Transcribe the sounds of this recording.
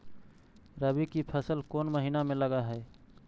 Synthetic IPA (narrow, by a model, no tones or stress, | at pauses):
ɾəbikipʰəsəlkoːnməɦinameləɡaɦɛe